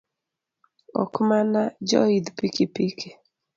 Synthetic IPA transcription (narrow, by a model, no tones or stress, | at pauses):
ɔ̰kmanad͡ʒɔ̰id̪pikipikʰe